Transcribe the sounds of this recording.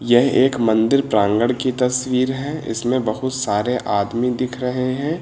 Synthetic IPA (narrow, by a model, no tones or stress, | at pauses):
jɛɦeːkmɐ̃nd̪ɪɾpɾãːŋɡəɽkit̪ɐswiːɾɦɛ̃ːɪ̰smẽbɐɦʊt̪saːɾeʔʔaːd̪mid̪ɪkʰɾɐɦeɦɛ̃ː